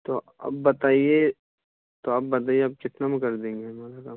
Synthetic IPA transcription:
t̪o | ɐ̰bːɐt̪aːie | t̪oɐb̚ːɐt̪aːijeɐb̚kɪt̪namekɐɾd̪ẽːŋɡeɦɛmaɾaka

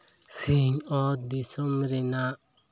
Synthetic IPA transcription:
siɲɔt̪̚d̪isɔmɾɛnaʔ

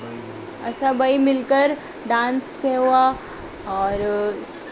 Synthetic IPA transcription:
ɐsabaimɪlkəɾ | ɖãːnskeɦua | ɔːɾ

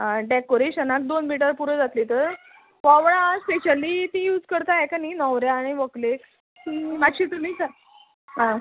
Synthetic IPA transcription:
aɖekoɾeɕənak̚d̪onmiʈ̬əɾpuɾəd͡zat̪lit̪əɾ | ʋɔʋɭãspeɕəlit̪ĩjuːd͡zkəɾt̪aɛkaninɔʋɾjaːɽ̃iʋəkle | imat̪ɕiːt̪umiːt͡sa | ɦã

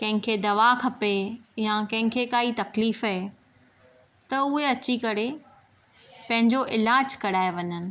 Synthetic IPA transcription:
kɐ̃ɦɪ̃ŋkʰed̪ɐʋakʰɐpejãkɐ̃ɦɪ̃kʰekaːit̪ɐkliːfaɦe | t̪ɐʊɦeɐt͡ɕikɐɾe | pɐ̃ɦɪ̃ɲd͡ʑoʔɪlaːd͡ʑkɐɽaːeʋɐɲənɪ̆

